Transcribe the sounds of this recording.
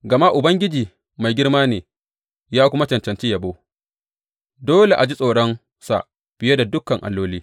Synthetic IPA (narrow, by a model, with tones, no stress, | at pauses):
ɡɐ˨ma˦ʔʊ˨bɐ˦ŋɡʲɪ˦d͡ʒiː˨ | ma˨jɡʲɪ˦rmaː˦neː˨ | jaː˦kʷʊ˦ma˦t͡ʃɐ˨nt͡ʃɐ˨nt͡ʃi˦jɐ˨boː˦ | doː˦le˨ʔa˨d͡ʒi˦sʼoː˨ɽɔ˦n | sa̰˨ʔ | ɸɪ˨je˦da˨dʊ˦kːɐ˨ŋʔa̰˨lːoː˦liː˦